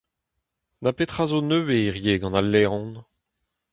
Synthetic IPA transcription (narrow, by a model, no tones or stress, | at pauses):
napet̪χazonøweiʁjeːɡɑ̃nalːɛːʁɔ̃n